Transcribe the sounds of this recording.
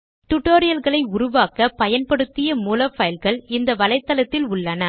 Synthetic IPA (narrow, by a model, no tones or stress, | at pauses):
ʈ̪ʊʈːoːɾɪjɐlɣɐɭɐɪʊɾʊʋaːkɐpɐjɐnpɐɽɯt̪ːɪjɐmuːlɐfɐjlɣɐɭɪnd̪ɐʋɐlɐɪt̪ːɐlɐt̪ːɪlʊɭːɐnɐ